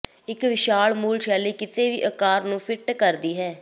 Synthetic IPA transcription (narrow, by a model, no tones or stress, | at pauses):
ɪkʋɪʃaːɭmuːlʃɛːliːkɪt̪eːʋḭːʔəkaːɾnũːpʰɪʈkəɾd̪iːɦɛː